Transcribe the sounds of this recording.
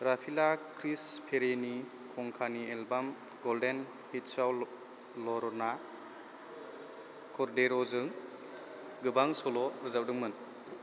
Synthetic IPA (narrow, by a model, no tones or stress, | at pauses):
ɾapʰilakʰɾispʰeɾeni | kʰɔŋkʰanielbam | ɡɔlden | hit̚saw | lɔɾɔna | kʰɔɾdeɾɔzɯŋ | ɡɯbaŋsɔlɔɾɯzawdɯŋmɯn